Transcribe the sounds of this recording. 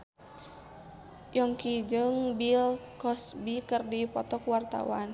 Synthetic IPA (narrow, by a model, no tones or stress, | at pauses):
jɔŋkid͡ʒɨŋbilkɔsbikɨrdipɔt̪ɔkuwart̪a̰wa̰n